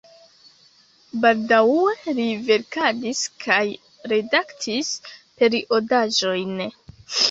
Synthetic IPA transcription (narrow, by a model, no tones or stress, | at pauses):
baldawuelive̞ɾkadiskʰaj | ɾe̞daktʰispe̞ɾiʔo̞daʒo̞jn